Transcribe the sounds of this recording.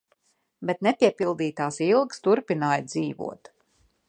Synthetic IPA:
bet̪nɛpiɛpilˠd̪iːt̪aːsilˠkst̪uɾpinaːjd̪ziːvṵɔt̪

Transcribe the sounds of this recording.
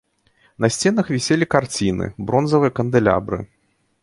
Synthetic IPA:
nɐsʲt͡sʲɛnɐxvʲisʲelʲikart͡sʲinɨ̰bɾɔnzɐvɨjɐkɐnd̪ɨlʲa̰bɾɨ̰

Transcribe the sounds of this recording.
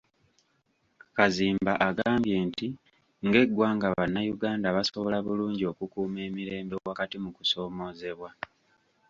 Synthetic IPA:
kaziːmbaʔaɡaːmbje̞ːnti | ŋɡe̞ɡwaːŋɡaβanːajuɡaːndaβaso̞βo̞laβuluːɲɟio̞kukuːme̞ːmiɾe̞ːmbowakatimuku̥so̞ːmo̞ːze̞βwa

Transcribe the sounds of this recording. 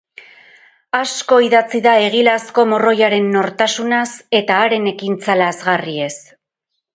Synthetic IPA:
asko̞iðat͡siðae̞ɣ̞ilasko̞moro̞jaɾe̞nːo̞ɾt̪asunase̞t̪aːɾe̞ne̞kint͡salazɣarie̞s

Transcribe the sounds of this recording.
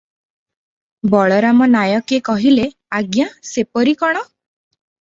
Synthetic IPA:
bɔɭɔɾamɔnajɔkekɔɦile | aɡjasepɔɾikɔɽ̃ɔ

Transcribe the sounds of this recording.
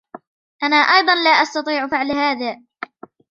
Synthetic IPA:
ʔanaːʔɑjðˤɑnlaːʔast̪ɑt̪ˤiːʕfɪʕlhaːðaː

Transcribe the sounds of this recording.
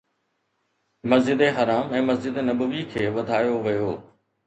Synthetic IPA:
mɐzd͡ʑɪd̪eɦɐɾaːmɛ̃ːmɐzd͡ʑɪd̪enɐbəʋikʰeːʋɐd̪ʱaːjoʋɐjoː

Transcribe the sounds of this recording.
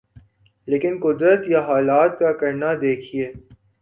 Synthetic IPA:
leːkɪnkʊd̪ɾət̪jaɦaːlaːt̪̚kakɐɾnad̪eːkʰieː

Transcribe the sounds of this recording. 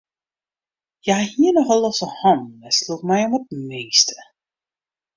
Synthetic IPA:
jahiːnɔχɔlˠɔsəhɑnɛslutmɛjɔmət̚mejstə̥

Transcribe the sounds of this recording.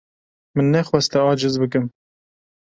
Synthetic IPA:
mɨnːɛxwɛst̪ɛɑːd͡ʒɨzbɨk̬ɨm

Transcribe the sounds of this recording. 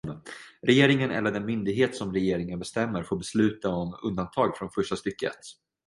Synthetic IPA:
d̪ənɾɛjeːɾɪŋənɛ̰lːəɖɛnmʏnd̪ɪɡɦeːt̪sɔmɾɛjeːɾɪŋənbɛst̪ɛmːəɾfoːɾbɛslʉ̟ːt̪aɔmɵnd̪ant̪ʰɑːɡfɾɔnfœʂʈast̪ʏkːəɛ̰t̪ː

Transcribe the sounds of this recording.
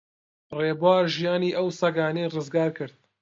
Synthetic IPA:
reːbwaːɾʒijaːniːʔɐwsɐɡaːnejrɨzɡaːɾkʰɨɾd̪̚

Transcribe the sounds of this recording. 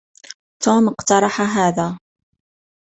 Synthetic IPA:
t̪uːməqt̪ɑɾˤɑħaɦæːða

